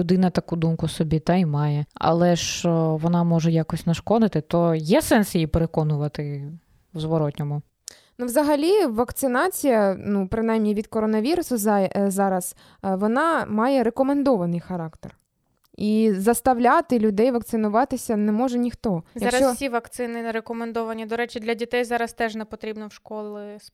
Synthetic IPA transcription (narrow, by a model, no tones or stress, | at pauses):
ʊd̪ɪnɐt̪ɐkud̪umkʊsɔbʲit̪ɐimɑjɛɐ̰lˠɛʃt͡ʃɔʋɔnɑmɔʒɛjɑkɔsʲnɐʃkɔd̪ɪt̪ɪt̪ɔjɛsɛnsjjipeɾekɔnʊʋɐt̪ɪ | wzʋɔɾɔt̪ʲnʲɔmʊ | nuʋzɐɦɐlʲiʋɐkt̪sɪnɑt͡sʲijɐnupɾɪnɑjmnʲiʋʲid̪kɔɾɔnɐʋʲiɾʊsʊzzɑɾɐs | ʋɔnɑmɑjɛɾekɔmend̪ɔʋɐnɪjxɐɾɑkt̪er | izɐst̪ɐʋlʲɑt̪ɪlʲʊd̪ɛjʋɐkt̪sɪnʊʋɑt̪ɪsʲɐnɛmɔʒɛnʲixt̪ɔzjɐkɾɐst͡ʃ̪ɔsʲiʋɐkt̪sɪnɪɾekɔmend̪ɔʋɐnʲid̪ɔɾɛt͡ʃɪd̪lʲɐdʲit̪ɛjzɑɾɐst̪ɛʒnɛpɔt̪ɾʲibnɔwʃkɔlˠɪs